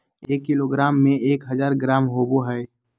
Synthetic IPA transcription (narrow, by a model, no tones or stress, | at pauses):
eːkːɪloɡɾaːmːẽeːkɦəzaːɾɡɾaːmɦoːboɦɛɪ